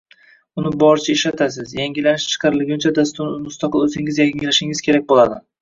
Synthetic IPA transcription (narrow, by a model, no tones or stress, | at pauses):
ʊnɪbɒɾt͡ʃʰaɪʃlat̪ʰasɪzjaŋɡʲɪlanɪʃt͡ʃʰɨ̥qʰɑɾɪlɪɡʲʊnt͡ʃʰad̪ast̪ʊɾnmʊst̪ɑqʰɨlˠɵzɪŋɪzjaɪlaʃɪŋɪz̥kʲʰe̞ɾak̚ʲbolˠad̪ɪ